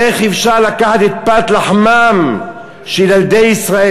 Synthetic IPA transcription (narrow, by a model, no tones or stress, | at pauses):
eχifʃaʁlakaħat̪et̪̚pat̪laħmam | ʃelald̪ejisʁae